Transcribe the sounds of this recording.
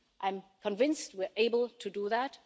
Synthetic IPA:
ʔãɪ̃mkʰə̃nvɪ̃nst̚wiɹʔeɪbəl̩ˠtʰɨdəðæt

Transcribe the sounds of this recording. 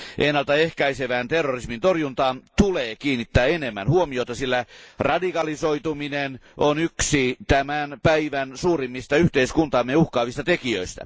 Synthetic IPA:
ʔenːɑlt̪ɑehkæiseʋæːnt̪erːorismint̪orjunt̪ɑːnt̪uleːkiːnit̪ːæːenemːæ̰nhuomiot̪ɑsilːærɑdikɑlisoit̪uminenonyksit̪æmænpæiʋænsuːrimːist̪ɑyht̪eiskunt̪ɑːmːeuhkɑːʋist̪ɑt̪ekiø̰ist̪æ̰

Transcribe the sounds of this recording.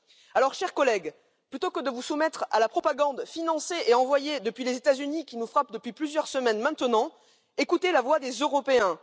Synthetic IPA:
alɔʁʃɛʁkɔlɛɡ | plyt̪okəd̪əvusumɛt̪χa̰lapχɔpaɡɑ̃d̪finɑ̃seʔeɑ̃vwajed̪əpɥilezet̪azynikʲinufχap̚d̪əpɥiplyzjœʁsəmɛnmɛ̃t̪ənɑ̃ | ekut̪elavwad̪ezøʁɔpeɛ̃

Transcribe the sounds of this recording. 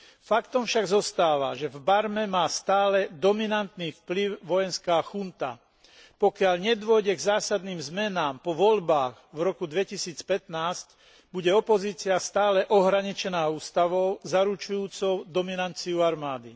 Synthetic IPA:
fakt̪ɔmfʃaɡzɔst̪aːʋa̰ʒɛvbaɾmɛmaːst̪aːlɛd̪ɔminant̪niːfpliʊʋɔjɛnskaːxunt̪a̰ | pɔkɪaʎɲɛd̪ʋʊɔjɟɛɡzaːsad̪niːmzmɛnaːmpɔʋɔʎbaːɣ | vɾɔkud̪ʋɛcisiːt͡spɛt̪naːsc | buɟɛɔpɔziːt͡siast̪aːlɛʔɔɦɾaɲit͡ʃɛnaːuːst̪aʋɔʊzaɾut͡ʃujuːt͡sɔʊd̪ɔminant͡siuaɾmaːd̪i

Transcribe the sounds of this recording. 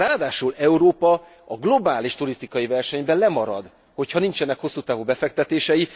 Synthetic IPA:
raːd̪aːʃulɛuɾoːpɒ | ɒɡlo̞baːliʃt̪uɾist̪ikɒjivɛrʃɛɲbɛlɛmɒɾɒ̰d̪ | ho̞chɒnint͡ʃɛnːɛkho̞sːuːt̪aːvubɛfɛk̚t̪ɛt̪eːʃɛji

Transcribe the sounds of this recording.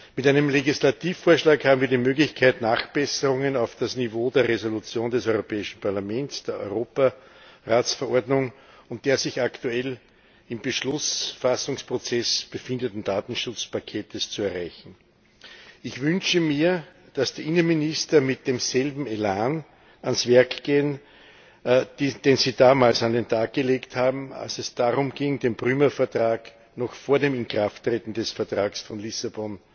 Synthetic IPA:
mɪtæɪnəmleɡislatiːfːoːɐʃlaːkhaːbm̩viːɐdimøːɡlɪçkʰaɪtnaːχb̥ɛsəʁʊŋənɑʊfd̥asnivoːdeːɐʁezolut͡sjoːndɛsɔʏʁopɛːɪʃn̩pʰaɐlamɛ̃ntsd̥eːɐʔɔ̰ʏʁoːpaʁaːsfɛɐʔɔɐdnʊŋʊnt̚d̥eːɐzɪçaktuɛl | ɪmb̥əʃlʊsfasʊŋspʁ̥ot͡sɛsb̥əfɪndətn̩d̥aːtn̩ʃʊt͡spʰakʰeːtəst͡suɛɐʁæɪçn̩ | ɪçv̥ʏnʃəmiːɐ | d̥asd̥iːʔɪnənmɪnɪstɐmɪt̚d̥eːmz̥ɛlbm̩elaːn | ʔansv̥ɛɐkɡ̥eːən | d̥eːnz̥iːdaːmaːlsandentʰaːk̚ɡ̥əleːkthaːbm̩a̰lsɛsd̥aʁʊmɡ̥ɪŋdeːmpʁyːmɐfɛɐtʁaːk | nɔxfoːɐdeːmɪnkʁ̥aftːʁeːtn̩dɛsfɛɐtʁ̥aːɡsfɔnlɪsabɔn

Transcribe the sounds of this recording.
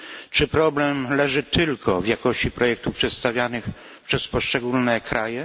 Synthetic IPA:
t͡ʂɘpɾɔblɛmlɛʐɘt̪ɘlkʰɔvjakɔɕt͡ɕipɾɔjɛk̚t̪upʂɛt̪st̪avʲjanɘx | pʂɛspɔʂt͡ʂɛɡulnɛkɾʔajɛ

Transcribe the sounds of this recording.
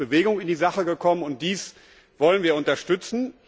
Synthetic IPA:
b̥əveːɡʊŋɪndiːzaχəɡəkʰɔmənʊnt̚d̥iːs | v̥ɔlənviːɐʊntɐʃtʏt͡sn̩

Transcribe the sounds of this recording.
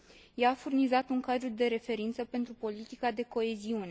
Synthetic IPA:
jaːfurnizat̪uŋkad̪ɾud̪e̞ɾe̞fe̞ɾint̪səpe̞nt̪ɾupo̞lit̪ikad̪e̞ko̞e̞ziune

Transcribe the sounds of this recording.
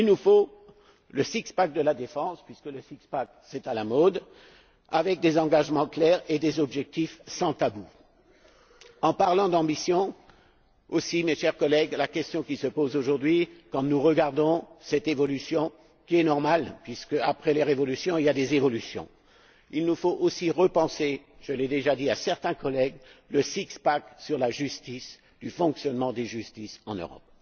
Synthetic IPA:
ilnufo | ləsikspak̚d̪əlad̪efɑ̃spɥiskələsikspak | sɛt̪alamɔd̪ | a̰vɛk̚d̪ezɑ̃ɡaʒmɑ̃klɛʁed̪ezɔbʒɛk̚t̪ifsɑ̃t̪abu | ɑ̃paʁlɑ̃d̪ɑ̃bisjɔ̃ | osimeʃɛʁkɔlɛɡlakʲɛst̪jɔ̃kʲisəpozoʒuʁd̪ɥikɑ̃nuʁəɡaʁd̪ɔ̃sɛt̪evɔlysjɔ̃ | kʲiɛnɔʁmalpɥiskəapχɛleʁevɔlysjɔ̃iljad̪ezevɔlysjɔ̰̃ | ilnufoʔosiʁəpɑ̃se | ʒ̥əlɛd̪eʒad̪iasɛʁt̪ɛ̃kɔlɛɡləsikspaksyʁlaʒyst̪is | d̪̥yfɔ̃ksjɔnmɑ̃d̪eʒyst̪isɑ̃nø̰ʁɔ̰p̚

